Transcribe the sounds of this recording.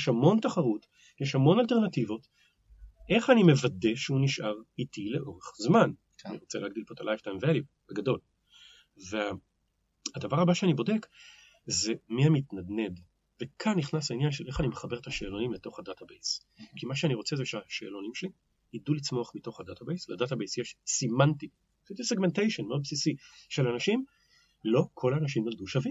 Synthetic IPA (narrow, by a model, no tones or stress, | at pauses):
ʃhamo̞ntaχaʁut | jeʃhamo̞nalte̞ʁnativo̞t | ʔe̞χanime̞vade̞ʃeuniʃʔaʁitileʔo̞ʁeχzman | aniʁo̞t͡seleaːɡ̚dilpot̪alʔajvtajmveali | beɡado̞l | vea | hadavaʁabaʃeanibo̞de̞k | ze̞mihamitnadne̞d | vekʰanːiχnaslainjanʃe̞lʔe̞χanimeχabe̞ʁet̪aʃeːlo̞nimleto̞χadatabejs | kʰimaʃeaniʁo̞t͡se̞zeʃeaʃḛːlo̞nimʃeli | idulit͡smo̞aχmito̞χhadatabejsladatabejsjeʃsimanti | sit̪iseɡmentejʃonmeo̞d̪̚psisiʃelanaʃim | lo̞kʰo̞laːnaʃ̬imjolduʃavi